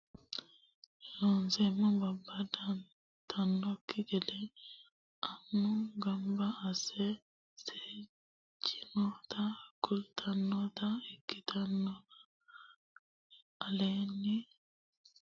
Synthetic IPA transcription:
lɔnzɛmɔbabːada | tʰanːɔkːiɡɛdɛ | ʔanːuɡambaːsɛ | se | d͡ʒimɔt̪akultʰanːɔt̪aikːit̪ʰanːɔ | alenːi

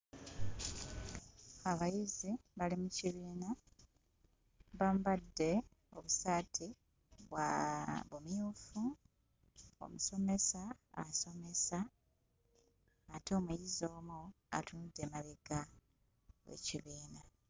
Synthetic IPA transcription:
aβajiziβalimuciβiːna | βambadːe̞ | o̞βusatʰi | βwa̰βomjuːfu | o̰muso̞me̞saːso̞me̞sa | to̞ːmujizo̞ːmu | a̰tʰunud̪e̞maβiɡa | wḛciβiːna

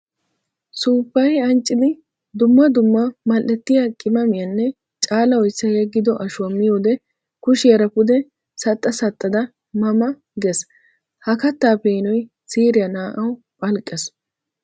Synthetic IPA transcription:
suːpːɐjɐnt͡ʃʼːɪd̪ɪ | d̪ʊmːɐd̪ʊmːɐmɐlːɛt̪ːɪjɐkʼɪmɐmɪjɐnːɛ | t͡ʃʼaːlɐwɔjsːɐjɛɡːɪd̪ɔʔɐʃwɐmːɪjoːd̪ɛ | kʊʃɛɾɐpʊd̪ɛ | sɐt̪ʼːɐsɐt̪ʼːɐd̪ɐ | mɐmɐ | ɡɛs | hɐkɐt̪ːaːpeɪnɔj | siːɾɪjɐnaːʔɐw | pʼɐlkʼːɛs

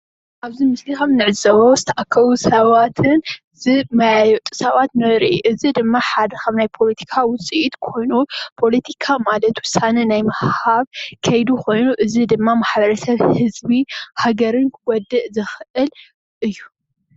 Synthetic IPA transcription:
ʔaβzimɨslixɐmnɨʕɨzɐβozɨt̪ʰɐʔakʰːɐβusɐβat̪ʰɨn | zɨmɐjajɔt̪ʼu̥sɐβat̪nɐɾiʔʔɨzid̪ɨmːaħad̪ɐkʰɐmnajpʰo̞lɐt̪ʰi̥kʰawʊt͡sʼiʔit̪kʰo̞jnupʰo̞lɐt̪ʰi̥kʰamalɐt̪wʊsanɐnajmɐhaβkʰɐjd̪ukʰo̞jnuʔɨzid̪ɨmːamaħbɐɾɐsɐβhɨzbihaɡɐɾɨnkʰɡɔd̪ːɨʔzɨxʔɨl | ʔɨjːu

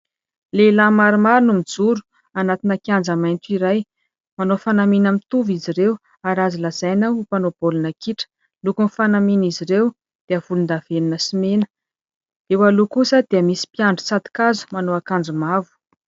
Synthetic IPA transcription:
lelamaɾimaɾunumid͡zuɾu̥ | anat̪inakiand͡zamajnt̪iɾaj | manofanaminamit̪uviziɾew | aɾazilaz̥ajnaupanob̥olunakiʈ͡ʂə̥ | lukunfanaminiziɾew | d̪̥eəv̥ulund̪av̥eninəsimenə̥ | ewalukusəd̪̥eəmisi̥piaɳɖ͡ʐu̥t͡sat̪i̥kazu̥manoakand͡zumavu̥

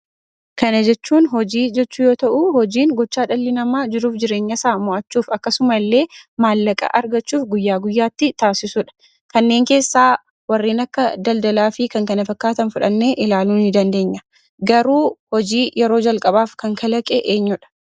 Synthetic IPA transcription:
kɐnɐd͡ʒɛt͡ʃːuːnɦɔd͡ʒiːd͡ʒɛt͡ʃːuːjo̞ːt̪ɐʔuhɔd͡ʒiːŋɡɔt͡ʃːaːᶑɐlːɪnɐmaːd͡ʒɪɾuːfd͡ʒɪɾe̞ːɲːɐsaːmɔʔɐt͡ʃːuːfɐkːɐsʊmɐlːe̞ːmaːlːɐkʼɐ̰ʔɐɾɡɐt͡ʃːuːfɡʊjːaːɡʊjːaːt̪ːɪt̪aːsɪsʊᶑɐ̥ | kɐnːe̞ːŋke̞ːsːaː | wɐrːiːnɐkːɐd̪ɐld̪ɐlaːfɪkɐŋkɐnɐfɐkːaːt̪ɐnfʊᶑɐnːeːʔɪlaːluːnɪd̪ɐnd̪e̞ːɲːɐ | ɡɐɾuːhɔd͡ʒiːjɛɾo̞ːd͡ʒɐlkʼɐbaːfkɐŋkʰɐlɐkʼɛʔeːɲːʊᶑɐ̥

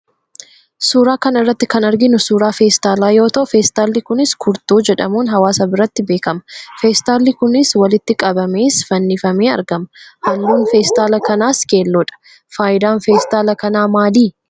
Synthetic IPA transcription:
suːɾaːkɐnɐrːɐt̪ːɪkɐnɐɾɡɪnʊsuːɾaːfeːst̪aːlaːjo̞ːt̪ɐʔʊfeːst̪aːlːɪkʊnɪskʰʊɾt̪oːd͡ʒɛᶑɐmuːnɦɐwaːsɐbɪɾɐt̪ːɪbe̞ːkɐmɐ̥feːst̪aːlːɪkʊnɪswɐlɪt̪ːɪkʼɐbɐme̞ːsfɐnːɪfɐmeːɐ̰ɾɡɐmɐhɐlːuːnfeːst̪aːlɐkɐnaːskeːlːɔᶑɐ̥ | faːjɪd̪aːnfeːst̪aːlɐkɐnaːmaːliː

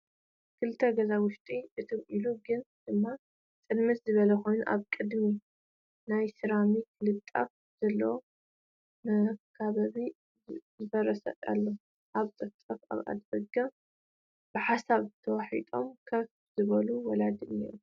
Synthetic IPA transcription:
kʰɨlt̪ʰːɐɡɐzawʊʃt̪ʼiʔɨt̪ʰɨmʔiluɡɨnd̪̥ɨmːa | tʼɨnmɨt̪zɨβɐlɐkʰo̞jnuʔa̰βkʼɨd̪mi | najsɨɾamikʰɨlɨt̪ʼːa̰f | z̥ɐlːɐ | nɐkʰaβaβi | zɨbɐɾɐsɐ̰a̰lːo | ʔaβt̪ʼɨft̪ʼɐfa̰βa̰d̪bɐɡa | b̥ɨħasaβt̪ʰɐwaħḭt̪ʼo̞mkʰɐf | zɨβɐluwɔlad̪ɨnḭu

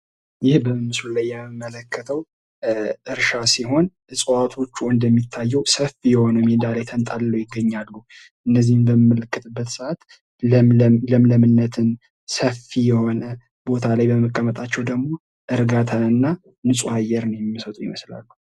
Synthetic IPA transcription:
jɪhbəmmːɨslulajːɛmɨmːələkːət̪ʰəw | ʔɨɾʃasiɦo̞n | ɨsʼwat̪ʰo̞t͡ʃːuɨnd̪əmːit̪ʰːajːɛwsəfijɛho̞nəmend̪alajt̪ʰənt̪ʼalːəwjɪɡːəɲːalːu | ʔɨnːəzːihɨmbəmməlɨkːɨt̪ʼɨbːət̪sɨʔat̪ | ləmləmɨnːət̪ʰɨn | səfijɛho̞nə | b̥o̞t̪ʰalajbəməkʼːəmət̪ʼat͡ʃːɛwd̪əɡmo̞ | ʔɨɾɡat̪ʰaɨnːa | nɨsʼuajːɛɾnəwjɛmːimːəsət̪ʼujɪməsla̰lːu

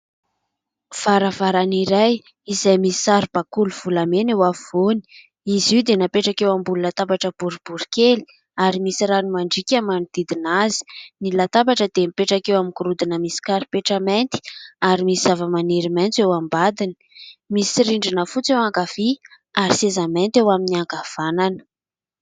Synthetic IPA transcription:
v̥aɾəvaɾaniɾaj | izajmisi̥saɾib̥akuluv̥ulamenewavivoni̥ | iziwd̪enapeʈ͡ʂakewambululat̪abaʈ͡ʂəb̥uɾib̥uɾikeli̥ | aɾimisiɾanimaɳɖ͡ʐikʲamanid̪̥id̪inazi̥nilat̪apbaʈ͡ʂəd̪emipeʈ͡ʂakewamikuɾud̪inəmisi̥kaɾipeʈ͡ʂəment̪i̥aɾimisiz̥avəmaniɾimajnt͡sewambad̪ini̥misiɾiɳɖ͡ʐinəfut͡sewaŋɡav̥i | aɾisezament̪ewaminiaŋɡav̥ananə̥

